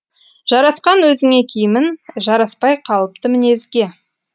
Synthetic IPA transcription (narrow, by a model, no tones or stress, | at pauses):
ʒ̥ɑɾɑsqɑnwɵzɪŋe̞kʲʰejɪmɪnʒɑɾɑspɑjqʰɑlˠəp̚t̪əmɪne̞zɡʲe̞